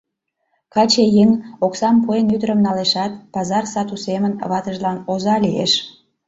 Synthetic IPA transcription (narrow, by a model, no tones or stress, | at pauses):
kɑt͡ɕejeŋoksɑmpuenyd̪əɾəmnɑleʃɑt̪pɑzɑrsɑt̪usemənβɑt̪əʒlɑnozɑliḛʃ